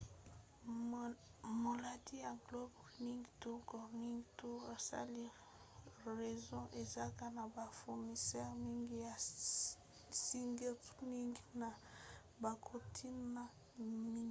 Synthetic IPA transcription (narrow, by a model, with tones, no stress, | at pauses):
mo˨la˨di˦ja˨ɡlɔ˦bni˦ŋɡto˦kɔ˨ni˦ŋɡto˦a˨sa̰˦li˦ | ʁe˨zɔ̃˦ʔe˨za˦ka˦na˨ba˨fu˨ʁni˨sɛ˦ʁmi˦ŋɡi˦ja˨ | si˦ŋɡɛ˦tni˦ŋɡi˦na˨ | ba˨kʰo˨tʰi˦nna˨ | mi˦ŋi˦